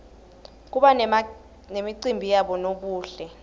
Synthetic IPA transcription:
k̬uɓa | nemiǀimbʱijaɓɔnok̬uːɬɛ

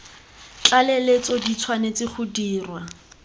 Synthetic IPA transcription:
t͡ɬʼalelet͡sɔdit͡sʰwanet͡sɪχudiːrwa

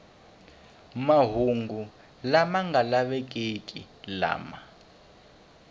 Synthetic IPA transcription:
maɦuŋɡu | lamaŋɡalaβɛk̬ʼekʼḭ | la̰ːma

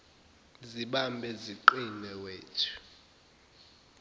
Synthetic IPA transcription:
ziɓambʱɛziǃinɛweːtʰu̥

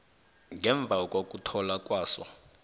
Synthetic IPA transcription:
ŋɡɛɱb̪vʱak̬ʼok̬ʼutʰɔlakʼwaːsɔ̰

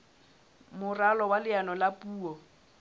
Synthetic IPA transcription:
mʊralɔwalɪanɔlapʼuːɔ

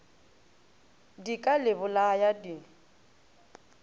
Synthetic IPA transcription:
dikʼalɪbʊlajadi

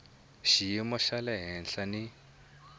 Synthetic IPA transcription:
ʃijimɔʃalɛɦɛnɬani

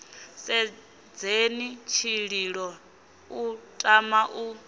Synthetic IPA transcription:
sɛ | d͡zenit͡ʃʰiɺiɺɔ | utʼamaʔu

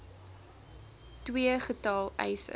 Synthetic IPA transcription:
twiəχətɑlˠɛ̰jsə̰

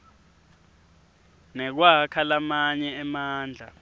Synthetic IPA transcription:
nɛk̬wakʰalamaɲɛːmaːnd͡ɮʱa

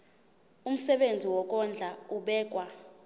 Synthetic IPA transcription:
um̩sɛɓend͡zʱiwɔk̬ʼɔnd͡ɮʱauɓɛːk̬ʼwa

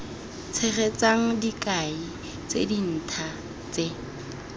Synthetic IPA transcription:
t͡sʰɛɣɛt͡saŋ̩dikʼai | t͡sḛdin̩ːtʰa | t͡se

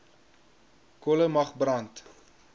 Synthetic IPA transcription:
kɔləmɐχbrɐnt

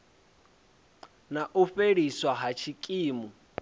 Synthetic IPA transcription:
naʔufeɺiswaɦat͡ʃʰikʼiːmu

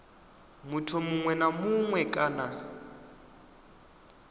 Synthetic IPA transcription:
mʊtʰɔmʊŋwɛnamʊŋwɛkʼana

